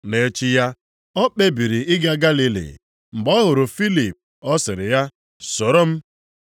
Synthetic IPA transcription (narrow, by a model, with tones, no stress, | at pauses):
le˨˦t͡ʃɪ˦ja˦ | ɔ˦k͡pe˦bi˨ɾi˨ʔɪ˦ɡa˦ɡa˦li˦lḭ˨ | m̩˨ɡ͡bɔ˦ɦʊ˨ɾʊ˨fi˦li˨p̚ | ɔ˦sɪ˨ɾɪ˨ja˦ | so˨ɾo˦m̩˦